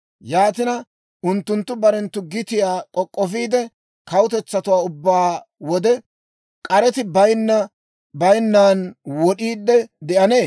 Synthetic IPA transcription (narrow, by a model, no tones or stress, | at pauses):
jaːt̪ɪnɐ | ʊnt̪ːʊnt̪ːʊbɐɾɛnt̪ːʊɡɪt̪ɪjaːkʼɔkʼːɔfiːd̪ɛ | kɐwʊt̪̬ɛt͡sːɐt̪ʊwaːʊbːaːwɔd̪ɛ | kʼɐɾɛt̪ɪbɐjnːɐ | bɐjnːaːnwɔɗiːd̪ːɛd̪ɛʔɐneː